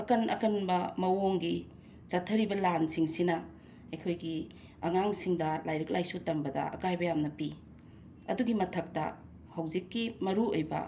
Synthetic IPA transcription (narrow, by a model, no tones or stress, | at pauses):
ɐkɐnʔɐ̰kɐnbɐmɐwoŋɡi | t͡ʃɐtʰːɐɾibɐlansiŋsinɐ | ɐjkʰojɡi | ɐŋaŋsiŋdɐlajɾɐk̚lajsutɐmbɐdɐ̰ɐ̰kajbɐjamnɐpi | ɐ̰duɡimɐtʰɐk̚tɐ̰ | hawzikːimɐɾuojbɐ̰